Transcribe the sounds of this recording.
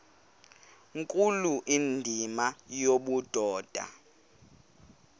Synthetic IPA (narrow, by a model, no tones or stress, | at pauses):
ŋkʼuluʔindʱimajoɓud̥ʱɔːd̥ʱa̰